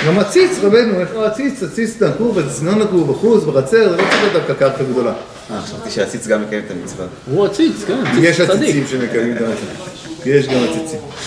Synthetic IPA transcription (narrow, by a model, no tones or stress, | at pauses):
ɡamat͡sit͡sʁabe̞nueχloat͡sit͡sat͡sit͡snakuvat͡sit͡snonakubaχut͡sbeχat͡se̞ʁzelot͡saded̪afkakaʁtaɡd̪o̞la | aχʃavt̪iʃeat͡sit͡sɡamːekajemet̪amit͡sva̰ | huat͡sit͡skanajeʃat͡sit͡simʃemekajmimt̪amasat | jeʃɡamat͡sit͡sim